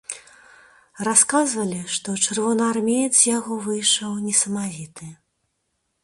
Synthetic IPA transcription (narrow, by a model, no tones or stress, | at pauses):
raskazvɐlʲiʂt̪ɔt͡ʂɨrvɔnɨarmʲejɛt̪sjaɣɔvɨjʂɐwnʲɛsɐmavʲit̪ɨ